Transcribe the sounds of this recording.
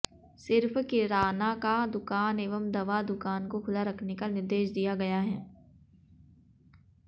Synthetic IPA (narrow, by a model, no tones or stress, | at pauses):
sɪɾfkɪɾaːnakad̪ʊkaːneːʋəmd̪ɐʋad̪ʊkaːnkoxʰʊlaɾɐkʰnekanɪɾd̪eːʃd̪ijaɡɐjaɦɛː